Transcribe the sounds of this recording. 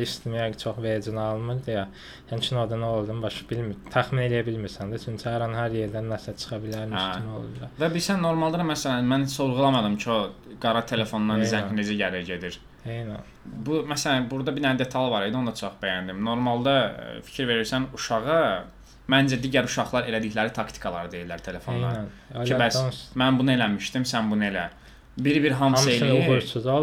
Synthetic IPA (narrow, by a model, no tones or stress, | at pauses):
iʃt̪ʰimijat͡ʃʰoχvejd͡ʒinɑlˠmɯɾd̪ɯjɑ | hæmt͡ʃʰinod̪unolˠd̪ɯmbɑʃbilmit̪ʰæxmine̞lijæbilmiɾsænd̪it͡ʃʰynt͡ʃʰɑɾɑnhæɾjeɾd̪ænːæsæt͡ʃʰɯ̥xɑbilæɾnʰino̰lˠṵblɑvæbiɾsænːo̞ɾmɑlˠd̪ɑd̪mæsælænmænsoɾʁulˠɑmɑd̪ɯmcʰio̞ | ɡɑɾɑt̪ʰe̞le̞fo̞nɑɾnzæned͡ʒæɟæɾiɟe̞d̪iɾ | ejnæn | bumæsælænbuɾd̪ɑbinænd̪e̞t̪ʰɑlˠvɑɾed̪io̞nd̪ɑt͡ʃʰoχb̥æjænd̪imno̞ɾmɑlˠd̪ɑfi̥cʰiɾve̞ɾiɾsænuʃɑʁɑ | mænd͡ʒæd̪iːɟæɾuʃɑɣlˠɑɾe̞læd̪içlæɾit̪ʰɑkt̪ʰi̥kʰɑlˠɑɾɯd̪e̞jilːæɾt̪ʰe̞le̞fonllˠɑ̰ɾ | cʰibæsmænbunɯe̞læmiʃt̪imsænbunɯelæ | biɾbiɾɦɑmsejliji